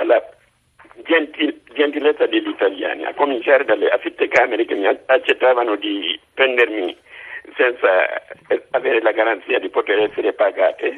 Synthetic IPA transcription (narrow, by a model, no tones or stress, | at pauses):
alːa | d͡ʒɛntid͡ʒɛnt̪ilet̪sːadeʎːit̪alja̰ːnḭʔa̰komint͡ʃaːɾedaleʔafit̪ːekaːmeɾekemiat͡ʃːɛt̪ːaːvanodipɾɛndermisɛnt̪sa̰ː | veːɾelaɡaɾant̪siːadipot̪eɾɛsːeɾepaɡaːt̪e